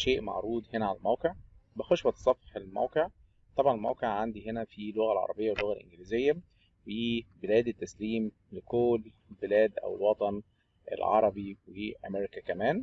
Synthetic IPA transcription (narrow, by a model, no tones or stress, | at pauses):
ʃeːʔmɑ̰ʕɾˤuːd̪henæʕalælmæwqeʕ | bexoʃwæt̪sˤɑfħelmæ̰wqeʕ | t̪ˤɑbʕɑnelmæ̰wqeʕʕand̪iɦenæfilːoɣælʕɑ̰ɾˤɑ̰bejːæwelːoɣælʔḛnɡeliːzejːæ | weiːbelæːd̪et̪ːæsliːm | lekoːlː | lbelæːd̪ʔæ̰wḛlwɑt̪ˤɑn | ʔḛlʕɑ̰ɾˤɑbiweʔæ̰meɾikækæmæːn